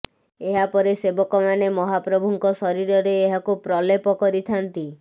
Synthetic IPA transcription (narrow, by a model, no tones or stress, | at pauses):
eɦapɔɾesebɔkɔmanemɔɦapɾɔbʱuŋkɔsɔɾiɾɔɾeːɦakupɾɔlepɔkɔɾit̪ʰant̪i